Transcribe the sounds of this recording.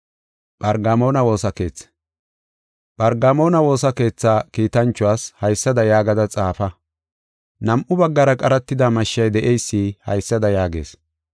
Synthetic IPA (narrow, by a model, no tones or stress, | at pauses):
ɓɐɾɡamo̞ːnɐwo̞ːsɐke̞ːt͡sː | ɓɐɾɡamo̞ːnɐwo̞ːsɐke̞ːt͡sːaːkiːt̪ɐnt͡ʃːʊwaːshɐjsːɐd̪ɐjaːɡɐd̪ɐt͡sʼaːfɐ | nɐmʔʊbɐɡːɐɾɐkʼɐɾɐt̪ːɪd̪amɐʃːɐjd̪ɛʔɛjsːihɐ̰jsːɐd̪ɐjaːɡeːs